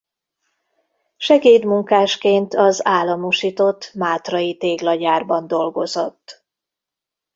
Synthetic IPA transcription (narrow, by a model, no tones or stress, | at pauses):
ʃɛɡeːd̪muŋkaːʃkeːnt̪ɒzaːlːɒmoʃiːt̪o̞t̪ːmaːt̪rɒjit̪eːɡlɒɟaːrbɒnd̪o̞lɡo̞zo̞t̪ː